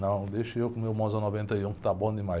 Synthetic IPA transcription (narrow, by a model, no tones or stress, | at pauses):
nɐ̃w̃d̪eʃewkũmewmõzanɔvẽnt̪ɐiũkɪ̥t̪abõd̪ɪma